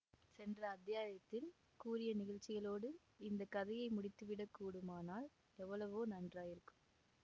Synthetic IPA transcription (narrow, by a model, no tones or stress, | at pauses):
sɛndrɐːðːɪjaːjɐt̪ːɪl | kuːɾɪjɐnɪɣɐɻt͡ʃːɪɣɐɭoːɽɯ | ɪnd̪ɐkːɐðɐjɐɪmʊɽɪt̪ːɯʋɪɽɐkːuːɽɯmaːnaːl | ɛʋːɐɭɐʋoːnɐndraːjɪɾɯkːɯ̥m